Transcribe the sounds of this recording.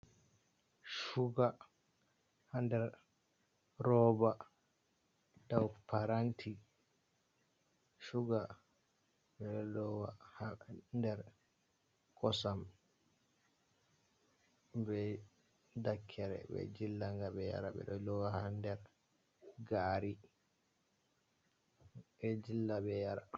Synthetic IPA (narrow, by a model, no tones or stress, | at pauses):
ʃuɡa | handɛɾ | ɾɔba | dawpʰaɾantʰi | ʃuɡa | ɓɛɗɔlɔwa̰handɛɾ | kɔsam | bɛ | dakʰːɛɾɛ̰bɛ̰d͡ʒilːaŋɡabɛja̰ɾaɓɛ̰ɗɔlɔwahandɛɾ | ɡaɾi | ɓɛd͡ʒilːabɛjaɾa